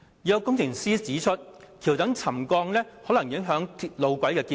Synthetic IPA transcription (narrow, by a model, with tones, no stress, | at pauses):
ji˨ɐ˧wkʊ˥ŋt͡sʰɪ˨˩ŋsiː˥t͡siː˨˥t͡ʃʰɵ˥t̚ | kʰiː˨˩wt̪ɐ˨˥ŋt͡sʰɐ˨˩mkɔː˧ŋlɛː˥hɔː˨˥lɐ˨˩ŋjɪ˨˥ŋɦœː˨˥ŋt̪ʰlo˨˧wkʷɐ˨˥jkɛː˧kiː˧